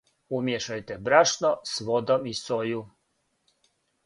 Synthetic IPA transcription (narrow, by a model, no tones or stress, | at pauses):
umjeʃajt̪ɛbɾaʃnosʋod̪omisoju